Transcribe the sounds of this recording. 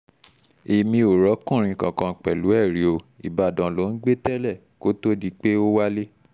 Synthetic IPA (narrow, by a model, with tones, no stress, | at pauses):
e˨mĩ˧o˨ɾɔ˨˦kũ˦˨ɾ̃ĩ˧˨kã˨kã˧˨k͡pɛ˨lu˨˦ɛ˦˨ɾi˨˦o˧ | ḭ˨ba˨dɔ̃˨lo˨˦n̩˦ɡ͡be˦tɛ˦lɛ˦˨ | ko˨˦to˦di˦k͡pe˦o˦wa˦le˦